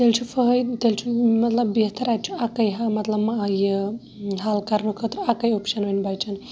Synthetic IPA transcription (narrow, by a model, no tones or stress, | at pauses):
t̪elt͡ʃʰufəɦəjt̪elt͡ʃʰumɐt̪lɐbːeɦt̪ɐɾat̪̚t͡ʃʰuakɐjɦamɐt̪lɐbmaje | ɦaːlkɐɾnukʰət̪ɾuakɐjopʃɐnɦonbajt͡ʃʰɐn